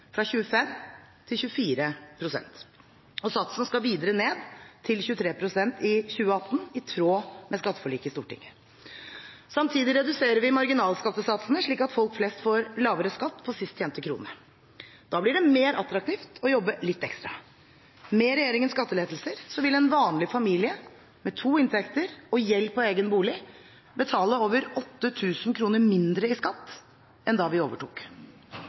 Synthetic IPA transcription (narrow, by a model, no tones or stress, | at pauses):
fɾɑçʉːəfɛm | t̪ʰɪlçʉːfiːɾəpʰɾʊsɛ̰nt̪ | ɔsɑt̪sənəskɑʋiːd̪əɾəneːd̪t̪ʰɪlçʉːət̪ʰɾeːpʰɾʊsɛnt̪ɪçʉːəɑt̪ːn̩ɪt̪ʰɾoːmɛskɑt̪ːə̥fɔɭiːkəɪst̪ṵːʈɪ̰ŋːə | sɑmt̪ʰiːd̪ɪɾɛd̪ʉseːɾəɾʋɪmɑɾɡɪnɑːlskɑt̪ːəsɑt̪snəʂɭiːkɑt̪fɔlkflɛst̪foːɾlɑːʋəɾəskɑt̪ːpʰɔsɪst̪çɛːmt̪əkʰɾṵːnə | d̪̥ɑːblɪɖɛmeːɾɑt̪ɾɑk̚t̪ʰiːft̪ʰɔjɔbːəlɪt̪ːɛkst̪ɾɑ̰ | mɛɾɛjeːɾɪŋənskɑt̪ːəleːd̪l̩səɾsɔʋɪlɛnʋɑːnlɪfɑmiːlɪə | mɛt̪ʰuːɪnt̪ʰɛkt̪əɾɔjɛlpʰɔeːɡənbuːlɪ | bət̪ʰɑːləoːʋəɾɔt̪ːət̪ʰʉːsn̩kʰɾuːnəɾmɪnd̪ɾəɪskɑt̪ː | ʔɛnd̪ɑʋɪoːʋəʈʰṵːk